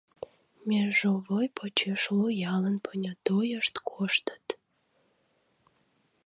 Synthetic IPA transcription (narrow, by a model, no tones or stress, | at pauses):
mʲerʒovojpʰot͡ɕeʃlujɑlənpʰənʲɑt̪ojəʃt̪kʰoʃt̪ə̥t̪